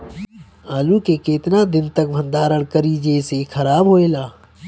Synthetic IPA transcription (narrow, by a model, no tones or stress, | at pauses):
aːlukekeːt̪nad̪ɪnt̪ɐk̚bʱɐ̃nd̪aːɾəɽ̃kəɾid͡ʒesexʰɐɾaːbɦoːeːlaː